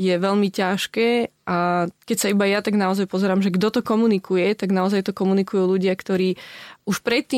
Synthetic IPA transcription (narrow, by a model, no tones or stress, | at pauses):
jɛʋɛʎmicaʃkɛːʔakɛcsaibajat̪aɡnaɔzajpɔzɛɾaːmʒɛɡd̪ɔt̪ɔkɔmunikujɛt̪aɡnaɔzajt̪ɔkɔmunikujuːluɟɪakt̪ɔɾiːuʃpɾɛt̪ːiː